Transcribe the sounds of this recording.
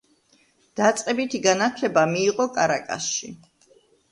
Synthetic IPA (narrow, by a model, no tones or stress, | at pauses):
d̪̥at̪sʼqʼɛbit̪ʰiɡanat̪ʰlɛbamiːqʼɔkʼaɾakʼa̰sʃi